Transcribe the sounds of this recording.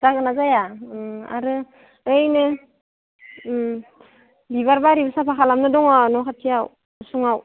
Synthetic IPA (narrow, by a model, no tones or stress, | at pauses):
dakɯnazajaa̰ɾɯ | ɯjnɯ | biβaɾbaɾibɯsapʰakʰalamnɯdɔŋɔnɔkʰatʰijaw | suŋaw